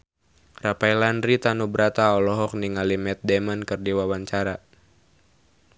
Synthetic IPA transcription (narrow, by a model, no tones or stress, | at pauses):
rapajlandɾit̪anubɾat̪aɔlɔɦɔk̚niŋalimɛt̪̚dɛmankɨrdiwawaɲt͡ʃaɾa